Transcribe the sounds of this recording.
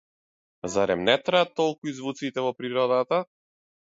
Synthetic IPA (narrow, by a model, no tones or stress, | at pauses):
zaɾɛ̰mnɛt̪ɾaat̪ːɔlˠkuizvut̪sit̪ɛvɔpɾiɾɔd̪at̪a